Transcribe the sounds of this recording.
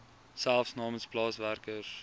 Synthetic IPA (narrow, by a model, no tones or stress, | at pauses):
sælˠfsnɑːmənsplɑːsværkər